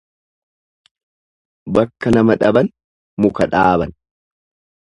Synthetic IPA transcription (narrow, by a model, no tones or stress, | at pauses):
bɐkːɐnɐmɐᶑɐbɐn | mʊkɐᶑaːbɐn